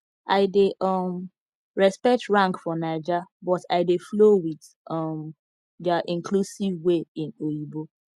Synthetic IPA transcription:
aɪdeʔɔm | ɹɛspɛk̚tɹãŋkfɔnaɪd͡ʒabɔtaɪdeflowið | ʔɔm | daʔĩŋkʰlusivweĩnoibo

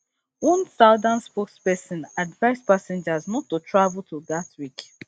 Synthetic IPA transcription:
wɔ̃nsaʊdãnspokspɛsĩnadvaɪspasɛ̃nd͡ʒazmũtotʰɹavl̩tʰudatwik

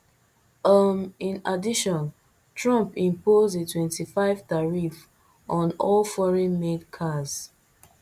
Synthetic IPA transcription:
əmĩnadiʃɔ̃n | tɹɔ̃mpĩmpozetʰwɛ̃ntifaɪvtaɹif | ʔɔ̃nɔlfɔɹɛ̃nmedkʰaz

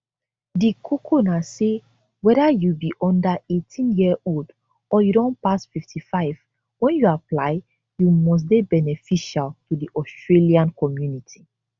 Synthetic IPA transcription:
dikʰukʰonase | wɛdajubiʔɔ̃ndaetʰĩnjiold | ɔjudɔ̃npasfiftʰifaɪv | wɛ̃njuaplaɪ | jumɔs̬debɛnɛfiʃaltudiʔɔstɹeliãnkɔmjunitʰi̥

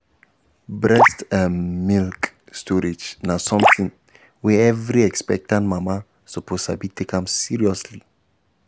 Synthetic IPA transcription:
bɹɛstãnmilk | stʰɔɹid͡ʒnasɔ̃mθĩŋ | wɛɛvɹiɛkspɛk̚tãnmama | sɔpʰosabitʰekãmsiɹiɔsli

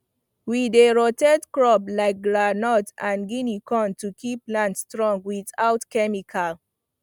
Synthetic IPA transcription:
wideɹɔtɛdkɹɔblaɪk̚ɡɹanɔtãnɡinikɔ̃ntukʰiplãntstɹɔ̃ŋɡwiθaʊtkɛmikʰal

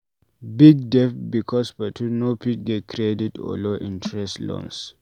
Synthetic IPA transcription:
biɡ̚dɛfbikʰɔspatʰĩnopʰit̚ɡɛt̚kʰɹeditɔ̰loʔĩntʰɹɛstlɔ̰̃ns

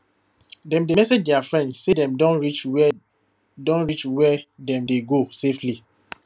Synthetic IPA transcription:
dɛ̃mdemɛsed͡ʒdɛafɹɛ̃ndsedɛ̃mdɔ̃nɹit͡ʃ | dɔ̃nɹit͡ʃwɛdɛ̃mdeɡosefli

